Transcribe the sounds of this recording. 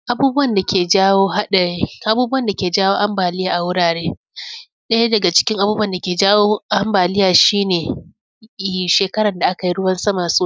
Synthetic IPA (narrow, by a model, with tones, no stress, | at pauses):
ʔa˨buː˦bʊ˦wɐ˦˨nda˨kʲeː˨d͡ʒa˦woː˦a˦˨˦ʔa˨buː˦bu˦wɐ˨nda˨kʲeː˨d͡ʒaː˦woː˦ʔa˦mbaː˨lɪ˦jaː˨ʔa˨wʊ˦ɽaː˨ɽeː˦ | ɗɐ˦ja˦dɐ˨ɡa˨t͡ʃɪ̥˦kʲɪ˦ŋʔa˨buː˦bɐ˦˨nda˨kʲeː˨d͡ʒaː˦woː˦ʔa˦mbaː˨lɪ˦jaː˨ʃiː˦neː˨ | ʃeː˨kɐ˦ɽɐ˨nda˨ʔa˦ka˨ji˦ɽʊ˦wɐ˦nsɐ˦ma˨suː˦